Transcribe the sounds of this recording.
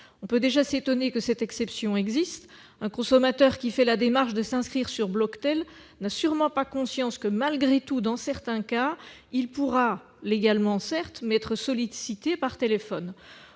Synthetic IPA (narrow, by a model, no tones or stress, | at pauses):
ɔ̃pød̪eʒaset̪ɔnekəsɛt̪ɛksɛpsjɔ̃ɛɡzist̪ | ɛ̃kɔ̃sɔmat̪œʁkʲifɛlad̪emaʁʃd̪əsɛ̃skχiʁsyʁblɔkt̪ɛl | nasyʁmɑ̃pakɔ̃sjɑ̃skəmalɡʁet̪ud̪ɑ̃sɛʁt̪ɛ̃kailpuʁa | leɡalmɑ̃sɛʁt̪mɛɛt̪χəsɔlisit̪epaʁt̪elefɔn